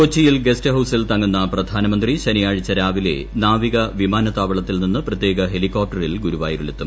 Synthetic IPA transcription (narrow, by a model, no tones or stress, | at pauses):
ot͡ɕːijilɡe̞stɨɦɐwsilt̪ɐŋːunːɐprɐd̪ʱaːnɐmɐnd̪riɕɐnijaːɻit͡ɕːɐɾaːʋile̞̰naːʋiɣɐʋimaːnɐt̪aːʋɐɭɐt̪ːilninːɨprɐt̪je̞ːɡɐɦe̞likːoːp̚ʈːɐrilɡuɾuʋaːjiɾuɭut̪ːum